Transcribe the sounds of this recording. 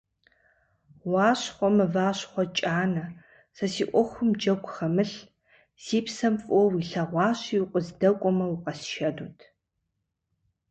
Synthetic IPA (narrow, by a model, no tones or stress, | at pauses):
wɑːɕχʷɔmɐvaːɕχʷɔt͡ʃʼaːnɐ | sɐsiːʔʷɔxʷʊmd͡ʒɐkʷʼxɐmɨɬ | siːpsɐmfʼɔwiɬɐʁʷɑːɕiʊqʷʼɔzdɐkʷʼɔmɐwuqʼɐsʃɐduːtʰ